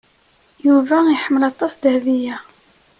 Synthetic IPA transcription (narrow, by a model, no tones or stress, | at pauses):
juvæiħəmːəlɑt̪ˤːɑsd̪hvijæ